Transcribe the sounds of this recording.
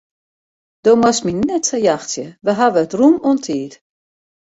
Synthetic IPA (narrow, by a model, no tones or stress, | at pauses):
d̥omasminːɛtsəjaxsjəʋəɦaʋəətrumɔntʰiːt